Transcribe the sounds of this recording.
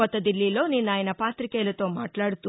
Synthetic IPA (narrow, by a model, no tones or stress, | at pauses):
ɔt̪ːɐd̪ilːilo̞ːninːaːjɐnɐpaːt̪ɾikeːlɐt̪o̞ːmaːʈlaːɽut̪u